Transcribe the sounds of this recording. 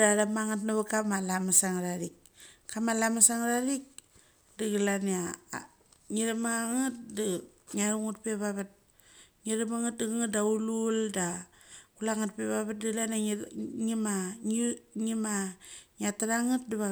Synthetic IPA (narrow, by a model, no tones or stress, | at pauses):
ɾaɾamaŋatnaβakamalamasaŋɾaɾik̚ | kːamalamasaŋɾaɾik̚ | diɡilana | ŋiɾamaŋat̚di | ŋaɾuŋut̚peβaβat̚ | ŋiɾamaŋat̚diɡaŋatdaululda | kulaŋat̚peβaβat̚diɡlanaŋima | ŋimaŋataɾaŋat̚diβa